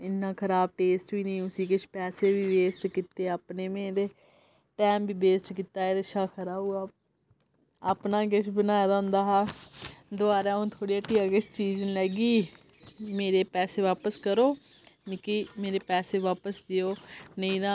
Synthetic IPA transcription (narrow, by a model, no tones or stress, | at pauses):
ɪnːãːkʰəɾaːb̚ʈeːsʈbiːnəĩːʊsĩːkɪt͡ʃʰpɛːseːbiːbeːsʈkit̪eːaːpneːmẽːd̪eː | ʈɛːmbiːbeːsʈkit̪aːeːd̪ɪʃaːkʰəɾaːbuːaː | aːpnãːk̬ɪt͡ʃʰbənaːjaːd̪aʊ̃nd̪aːɦaːd̪ʊaːɾaːũːt̪ʰoːɽiːaːʈiːaːkɪt͡ʃt͡ʃiːd͡ʒənlɛːɡiː | meːɾeːpɛːseːʋaːpəskəɾoː | mɪkiːmeːɾeːpɛːseːʋaːpəsd̪ɪjoːnəĩːd̪ãː